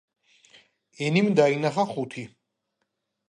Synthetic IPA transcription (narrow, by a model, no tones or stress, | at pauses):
ɛnimd̪ainaχaχut̪ʰi